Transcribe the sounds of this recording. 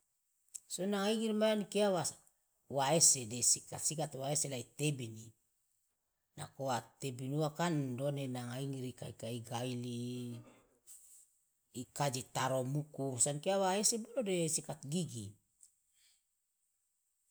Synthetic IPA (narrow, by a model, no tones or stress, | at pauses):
sonaŋaiŋiɾimajanikeawa | waesedesikat̪sikat̪waeselait̪ebini | na̰koat̪ebinuakandonenaŋaiŋiɾika̰ikaiɡaili | kad͡ʒit̪aɾomukusankeawaesebolodesikat̪ɡiɡi